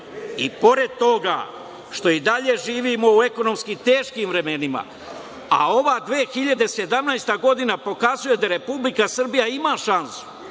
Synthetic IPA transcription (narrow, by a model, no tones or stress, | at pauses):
ipo̞ɾe̞d̪̚t̪o̞ɡa̰ | ʃt̪o̞id̪aʎe̞ʒiːʋimo̞ue̞ko̞no̞mskit̪e̞ːʃkiːmvɾe̞me̞nima̰ | a̰o̞ʋaːd̪ʋeːxiʎad̪e̞se̞d̪amnajst̪aɡo̞d̪inapo̞kazuje̞d̪aɾe̞publikasr̩bijaimaːʃansu̥